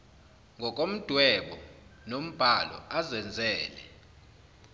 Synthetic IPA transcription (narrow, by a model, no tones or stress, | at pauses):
ŋɡʱɔk̬ʼom̩d̥ʱwɛɓɔnom̩b̥ʱalɔ̰azɛnd͡zʱɛːlɛ̰